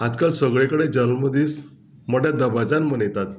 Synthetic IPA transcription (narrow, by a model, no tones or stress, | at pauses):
ad͡zkalsəɡɭekəɽed͡ʑəllməd̪iːs | mɔʈjad̪əbad͡zanmənjt̪at̪